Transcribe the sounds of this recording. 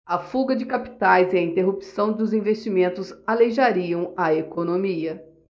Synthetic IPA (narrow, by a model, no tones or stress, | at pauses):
ɐfuɡɐd͡ʒɪkapi̥t̪ajzɪɐĩt̪eɦupi̥sɐ̃w̃d̪ʊzĩvest͡ʃimẽnt̪ʊzaleʒaɾiɐ̃w̃ɐekonomiɐ